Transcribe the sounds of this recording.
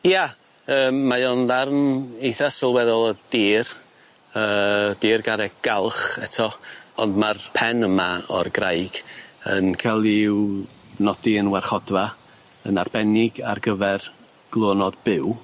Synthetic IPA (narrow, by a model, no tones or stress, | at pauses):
ja | əːmːajɔnlarnejθasɔlˠwɛðɔlˠəd̥iːr | əːd̥iːrɡaɾɛɡ̥alˠχɛtʰɔɔndmarpʰɛnəmaɔ̰rɡrajɡ̥ənkʰalˠiw | nɔd̥iənwɛrχɔdva | ənarbɛnɪɡarɡəvɛr | ɡ̥lˠoːnɔdb̥ɪw